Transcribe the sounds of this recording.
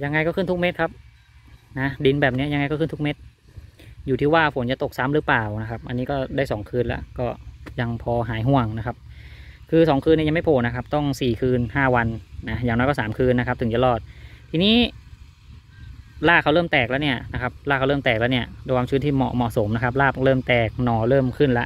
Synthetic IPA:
ja˧ŋːa˧jkɔ˥˩ɯ˥˩nt̪u˦˥k̚me˦˥t̪̚kʰa˦˥p̚ | na˦˥di˧nbɛː˨˩p̚ni˦˥˨ja˧ŋːa˧jkɔ˥˩ɯ˥˩nt̪ʰu˥me˦˥t̪̚ | juː˨˩iː˥˩waː˥˩pʰo˩˦nt͡ɕa˨˩t̪o˨˩k̚sa˧˦˥mɾɯː˦˥plaː˨˩wna˦˥kʰa˦˥p̚ʔa˧nːiː˦˥kɔː˥˩daː˥˩jsɔː˩˦ŋkʰɯː˧nlɛ̰˦˥ʔkɔː˥˩ja˧ŋpʰɔː˧ɦaː˩˦jɦu˧˩əŋna˦˥kʰa˦˥p̚ | kʰɯː˧sɔː˩˦ŋkʰɯː˧ni˥˩ja˧ma˥˩pʰoː˨˩na˦˥kʰa˦˥p̚t̪ɔ˥˩ŋsiː˨˩kʰɯː˧nhaː˥˩wa˧nːa˦jaː˨˩ŋnɔː˦˥jkɔː˥˩saː˩˦mkʰɯː˧nːa˧˥kʰa˦˥p̚t̪ʰɯ˩˦ŋt͡ɕa˨˩lɔː˧˩t̪̚ʰiː˧niː˦˥˩ | laː˥˩ka˥˩wlɤː˥˩mt̪ɛː˨˩k̚lɛː˦˥wni˥˩ɐna˦˥kʰa˦˥p̚laː˥˩kʰlɤː˥˩mt̪ɛː˨˩k̚lɛː˦˥˧ni˥˩ɐdwaː˧mt͡ɕʰɯː˦˥˩nt̪ʰiː˥˩mɔ̰˨˩mɔ˨˩so˩˦mna˦˥kʰa˦˥p̬̚laː˥˩plɤː˥˩mt̪ɛː˨˩k̚nɔː˧˩lɤː˥˩mkʰɯ˥˩nla˦˥ʔ

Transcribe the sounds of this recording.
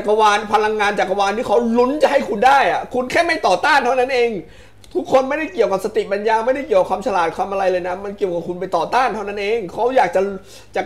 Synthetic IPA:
t͡ɕa˨˩kːa˧waː˧npʰa˧la˧ŋːaː˧nt͡ɕaː˨˩k̚ːa˧waː˧nt̪iː˥˩kʰa˦˥wlu˦˥nt͡ɕa˨˩ʔ̚ha˥˩jkʰu˧ndaː˥˩jʔa˨˩kʰu˧nkʰɛː˥˩ma˥˩jt̪ɔː˨˩t̪aː˥˩nt̪ʰa˥˩wna˦˥nʔeː˧ŋ | t̪ʰu˦˥kʰːo˧nma˥˩jda˥˩jki˨˩əwka˨˩psa˧t̪i˨˩pa˧njaː˧ma˥˩jda˥˩jki˨˩əka˩kʰaː˧mt͡ɕʰa˧laː˨˩t̪̚kʰwaː˧mʔa˧ɾa˧jlɤː˧jna˦˥ma˧nki˨˩əwka˨˩p̚kʰu˧np̬a˧jt̪ɔː˨˩t̪aː˥˩nt̪ʰa˥˩wna˦˥nʔeː˧ŋkʰa˦˥wjaː˨˩k̚t͡ɕa˨˩ | t͡ɕa˨˩

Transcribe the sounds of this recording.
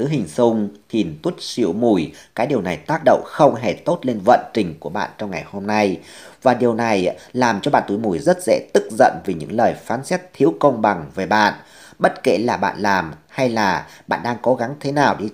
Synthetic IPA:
ɨ˨˦ɦï˨˩ŋ̟sʊ˧ŋ͡mt̪ʰi˨˩nt̪wu˦˥t̚sḭ˧˥əwmu˨˧˩jkaː˨˦jɗi˨˩əwna˨˩jt̪aː˦˥k̚ɗə̰˧˨wŋ͡mxə˧wŋ͡mɦe˧˩t̪o˦˥t̚le˧nvə̰˧˨nt͡ɕï˨˩ŋ̟ku˧˩əɓa̰ː˧˨nt͡ɕɔ˧wŋ͡mŋa˨˩jho˧mna˧jvaː˨˩ɗi˨˩əwna˨˩jlaː˨˩mt͡ɕɔ˧ɓa̰ː˧˨nt̪u˨˦jmu˨˩jzə˦˥t̚zɛ̰˧˥t̪ɨ˦˥k̚zə̰˧˨nvi˨˩ɲɨ̰˧˥ŋləː˨˩jfaː˨˦nsɛ˦˥t̚t̪ʰi˨˦wkə˧wŋ͡mɓa˨˩ŋve˨˩ɓa̰ː˧˨n | ɓə˦˥t̚kḛ˧˩laː˨˩ɓa̰ː˧˨nlaː˨˩mha˧jlaː˨˩ɓa̰ː˧˨nɗaː˧ŋko˨˦ɣa˨˦ŋt̪ʰe˨˦naː˨˩wɗi˧

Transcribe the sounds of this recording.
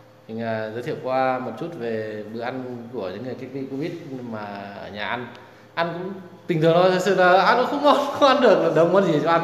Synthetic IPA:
t̪ʰï˨˩ŋ̟aː˨˩zə˨˦t̪ʰi˧˩˨wkwaː˧mo˨˩t̚t͡ɕu˦˥t̚ve˨˩ɓɨ˨ʔa˧nku˧˩əɲɨ̰˧˥ŋːɨ˨˩əjki˧k̚t̪i˧ko˧vi˦˥ət̚ɲ˧maː˨˩ʔəː˧˩ɲaː˨˩ʔa˧n | ʔa˧nkʊ̰˧˥ŋ͡mt̪ï˨˩ŋʰɨ˨˩əŋt̪o˧j̪ʰsɨ̰˧˨laː˨˩ʔa˧nkʊ̰˧˥ŋ͡mxə˧˦wŋ͡mmɔ˧˦nxʊ˨˧˦ŋ͡mʔa˧nɗɨ˨˩ək̚ə˨˩ɗə˨˧˩wŋ͡mmə˧nzi˨˩t͡ɕɔ˧ʔa˧n

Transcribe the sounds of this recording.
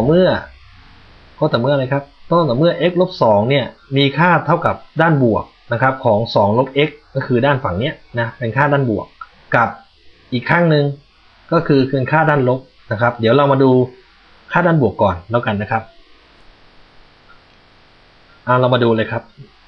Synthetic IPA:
mɯ˥˩ɐ | kɔː˧˥˩t̪ɛː˨˩mɯ˥˩˨laː˧jkʰa˦˥p̚t̪ɔ˧˥˩t̪ɛː˨˩mɯ˥˩ɐʔe˦˥k̚lo˦˥p̚sɔː˩˦ŋni˥˩ɐmiː˧kʰaː˥˩t̪ʰa˥˩wka˨˩p̚daː˥˩nbu˨˩ək̚na˦˥kʰa˦˥p̚kʰɔː˩˦ŋsɔː˩˦ŋlo˦˥p̚ʔe˦˥kːɔː˥˩kʰɯː˧daː˥˩nfa˨˩˦ŋni˦˥ɐna˦˥pe˧nkʰaː˥˩daː˥˩nbu˨˩ək̚ː | a˨˩p̚ | ʔiː˨˩kʰːa˥˩ŋnɯ˧ŋ | kɔː˥˩kʰɯː˧kʰɯː˧nkʰaː˥˩daː˥˩nlo˦˥p̚ | na˦˥kʰa˦˥p̚di˨˩˦wla˧wmaː˧duː˧ | kʰaː˥˩daː˥˩nbu˨˩əkːɔː˨˩nlɛː˦˥˩wka˧nːa˦˥kʰa˦˥p̚ | ʔa˧˩wla˧wmaː˧duː˧lɤː˧jkʰa˦˥p̚

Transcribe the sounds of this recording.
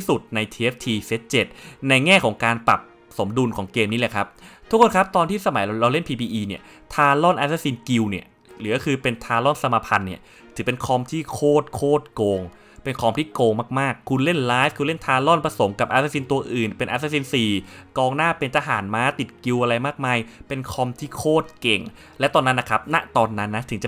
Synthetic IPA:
su˨˩t̪̚na˧jt̪ʰiː˧ʔe˦˥p̚t̪ʰiː˧se˦˥t̪̚t͡ɕe˨˩t̪̚na˧jŋɛː˥˩kʰɔː˩˦ŋkaː˧npa˨˩p̚ | so˩˦mdu˧nkʰɔː˩˦ŋkeː˧mniː˦˥le˧˩kʰa˦˥p̚t̪ʰu˦˥kʰːo˧nkʰa˦˥p̚t̪ɔː˧nt̪ʰiː˥˩sa˧ma˨˩˦jɾa˧wle˥˩npʰiː˧pʰiː˧ʔiː˧ni˥˩ɐ | t̪ʰaː˧lɔ˥˩nʔaː˧˥saː˦˥si˧nki˧wni˥˩ɐ | lɯː˩˦kɔ˥˩kʰɯː˧pe˧nt̪ʰaː˧lɔ˥˩nsa˧maː˧pʰa˧nːi˥˩ɐ | t̪ʰɯ˨˩˦pe˧nkʰɔ˧mt̪ʰiː˥˩kʰoː˥˩t̪̚kʰoː˥˩t̪̚koː˧ŋ | pe˧nkʰɔː˧mt̪ʰiː˥˩koː˧ŋmaː˥˩k̚maː˥˩kʰːu˧nle˥˩nlaː˦˥jfkʰu˧nle˥˩nt̪ʰaː˧lɔ˥˩npɾa˧so˩˦mka˨˩p̚ʔaː˧˥saː˦˥si˧nt̪u˧ɐʔɯː˨˩npe˧nʔaː˧˥saː˦˥siː˧nsiː˨˩kɔː˧ŋnaː˥˩pe˧nt̪a˧ɦa̰ː˩˦nmaː˦˥t̪i˨˩t̪̚ki˧wʔa˧ɾa˧jmaː˥˩k̚maː˧jpe˧nkʰɔ˧mt̪ʰiː˥˩kʰoː˥˩t̪̚ke˨˩ŋ | lɛ˦˥wt̪ɔː˧nːa˦˥nla˧˩kʰa˦˥p̚na˦˥t̪ɔː˧nːa˦˥nːa˦˥t̪ʰɯ˨˩˦ŋt͡ɕa˨˩

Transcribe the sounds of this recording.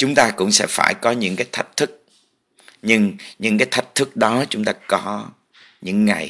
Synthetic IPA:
t͡ɕʊ˨˦ŋ͡mt̪aː˧kʊ̰˧˥wŋ͡msɛ̰˧˥faː˧˩jkɔ˨˦ɲɨ̰˧˥ŋkaː˨˦jt̪ʰa˦˥jk̟̚t̪ʰɨ˦˥k̚ | ɲɨ˧ŋɲɨ̰˧˥ŋkaː˨˦jt̪ʰa˦˥jk̚t̪ʰɨ˦˥k̚ɗɔ˨˦t͡ɕʊ˨˦ŋ͡mt̪aː˧kɔ˨˦ | ɲɨ̰˧˥ŋːa̰˨˩j

